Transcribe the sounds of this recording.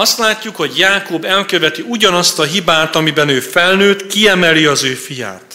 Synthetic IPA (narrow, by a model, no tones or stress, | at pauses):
ɒst̪laːcːukho̞ɟjaːkoːbɛlkøvɛt̪iuɟɒnɒst̪ɒɦibaːt̪ɒmibɛnøːfɛlnøːt̪kiɛmɛliɒzøːfija̰ːt̪